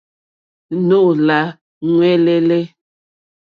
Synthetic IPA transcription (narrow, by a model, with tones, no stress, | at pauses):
no˦˨la˨˦ | ŋwɛ˦lɛ˦lɛ˦